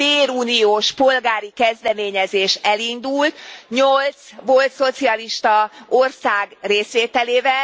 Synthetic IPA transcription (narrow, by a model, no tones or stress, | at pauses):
beːɾuːnioːʃpo̞lɡaːɾikɛzd̪ɛmeːɲɛzeːʃɛlind̪ult̪ɲolt̪sʋo̞lt̪so̞t̪siɒliʃt̪ɒo̞rsaːɡreːsʋeːt̪ɛleːvɛl